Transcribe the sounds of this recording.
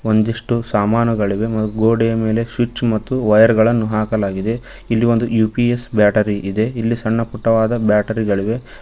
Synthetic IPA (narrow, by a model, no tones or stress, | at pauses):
o̞nd̪iʂʈusaːmaːnuɡɐɭiʋe̞mɐt̪ːuɡoːɖejɐme̞ːle̞ʃit͡ʃmɐt̪ːuʋɐjɐɾɡɐɭɐnːuɦaːkɐlaːɡid̪e̞ | ilːio̞nd̪ujuːpiesbjaːʈɐɾiʔid̪e̞ilːisɐɳːɐpuʈːɐʋaːd̪ɐbjaːʈɐɾiɡɐɭiʋe̞